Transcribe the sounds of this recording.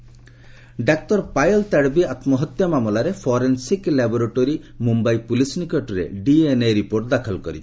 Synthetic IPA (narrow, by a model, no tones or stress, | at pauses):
ɖak̚t̪ɔɾpajɔlt̪aɽbiat̪mɔɦɔt̪jɔmamolaɾepʰɔɾensiklɛbɔɾeʈoɾi | mumbajpulisnikɔʈɾḛɖienejɾipoɾʈ̚d̪akʰɔlkɔɾi